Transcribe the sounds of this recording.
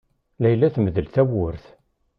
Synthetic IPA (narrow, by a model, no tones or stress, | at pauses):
læjlːæθməðəlθæwʊɾθ